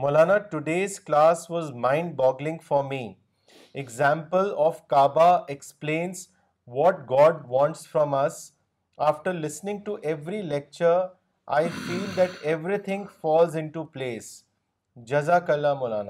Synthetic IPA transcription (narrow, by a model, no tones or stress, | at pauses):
molaːnaʈʊɖeːzklaːsʋɔːzmãɪ̃ɳɖbɔːɡlɪ̃ŋɡfɔɾmi | eɡzãmpəlɔːʋkaːbaeksplẽːnz | ʋɔʈ̚ɡɔːɖʋɔ̃ːɳʈsfɾɔ̃mɐs | aːfʈəɾlɪsnɪ̃ŋɡ̚ʈuʔɛʋɾilɛk̚t͡ʃəɾ | ʔa̰ɪfiːld̪æʈeʋɾit̪ʰɪ̃ŋfɔːlzɪ̃ɳʈupleːs | d͡ʒɐzakəlːamola̰ːna